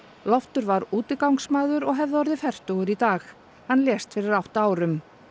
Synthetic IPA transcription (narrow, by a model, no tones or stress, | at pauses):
lɔft̪ʏɾvaɾuːt̪ɪkawŋksmaːðʏɾɔɣɦɛvðɔɾðɪfɛr̥t̪ɔɣʏɾit̪aːx | hanːljɛːst̪fɪɾɪɾawht̪aːwɾʏm